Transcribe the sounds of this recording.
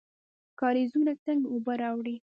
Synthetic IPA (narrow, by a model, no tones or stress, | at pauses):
kɑɾezunat͡saŋɡobəɾɑwɽi